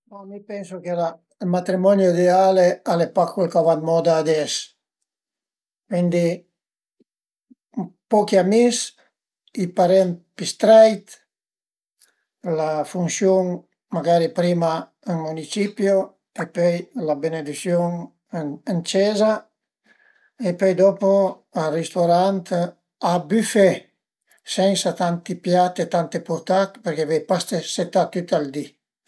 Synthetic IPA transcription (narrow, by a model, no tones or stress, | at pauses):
mamipɛnsokela | lmat̪ɾimɔnjoid̪ealealepakʰwekavat̪mɔd̪aːd̪ɛs | kwind̪i | pɔkiamis | ipaɾɛmpist̪ɾajt̪ | lafunsjuŋ | maɡaːɾipɾiːma | ŋmunit͡ʃipjo | epɔjlabened̪isjoŋ | ant͡ʃɛza | epɔjd̪ɔpo | arist̪oɾant̪ | abyfɛ | sɛnsat̪ant̪ipjat̪et̪ant̪epuɾt̪at̪peɾkevɛjpast̪eset̪ːat̪ːyt̪ald̪i